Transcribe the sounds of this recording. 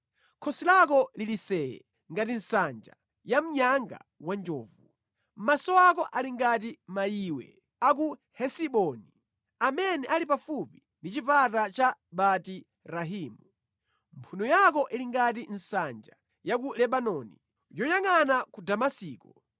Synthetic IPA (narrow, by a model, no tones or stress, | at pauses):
kʰɔsilak̬ɔlilisɛɛ̰ | ŋɡatin̩sand͡ʒa | jam̩ɲaŋɡa̰wand͡ʒɔːvu | m̩masɔakɔʔaliŋɡatimajiwɛ̰ | ak̬uhɛsiɓɔni | amɛnɛʔalipafupi | ndit͡ʃipatat͡ʃaɓati | ɾaɦiːmu | mpʰunɔjak̬ɔʔiliŋɡatin̩sand͡ʒa | jak̬ulɛɓanɔni | jɔjaŋanakudamasiːkɔ